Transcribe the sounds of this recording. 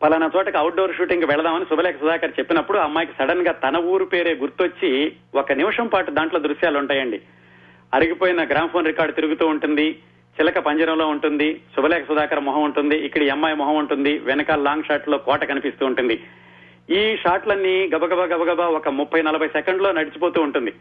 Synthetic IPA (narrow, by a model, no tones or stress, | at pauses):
pɐlɐnɐt͡ʃɔːʈɐkɐwʈ̚ɖoːɾʃuːʈiŋkuʋɛɭɐd̪aːmɐnisubʱɐlɛːkɐsud̪aːkɐɾɐt͡ʃe̞pːinɐpːuɽuɐmːaːjkisɐɽɐnɡaːt̪ɐnɐuːɾupe̞ːɾe̞ːɡuɾt̪uot͡ʃːi | ɔkɐniʋɐʂɐmpaːʈud̪aːɳʈlo̞ːd̪ɾuʃjaːluɳʈaːjɐɳɖi | ɐɾiɡipoːjinɐɡɾaːmɐpʰoːnɾikaːɾɖ̚t̪iɾuɡut̪uːuɳʈund̪i | t͡ʃilɐkɐpɐɲt͡ʃɐɾɐmlo̞ːuɳʈund̪isubʱɐlɛːkʰɐsud̪aːkɐɾɐmɔɦɐmuɳʈund̪iʔːkːɐɽiɛmːaːjmɔɦɐmuɳʈund̪iʋɛnɐkalaːŋɡʂaːʈloːkɔːʈɐkɐnipist̪uːɳʈund̪i | iːʂaːʈlɐnːiɡɐbɐɡɐbɐɡɐbɐɡɐbaɔkɐmupːɐjnɐlɐbʱɐjsɛkɐɳɖlo̞ːnɐɽit͡ʃipo̞ːt̪uːɳʈund̪i